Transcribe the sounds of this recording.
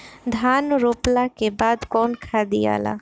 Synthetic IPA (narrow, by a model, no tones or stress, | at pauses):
d̪ʱaːnɾoplakebaːd̪kɔːnkʰad̪ia̰ːla̰